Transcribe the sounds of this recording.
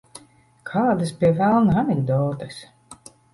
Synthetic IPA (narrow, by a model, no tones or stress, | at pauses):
kʰaːd̪aspʲiɛvælˠnanʲɛɡd̪ɔːt̪ɨs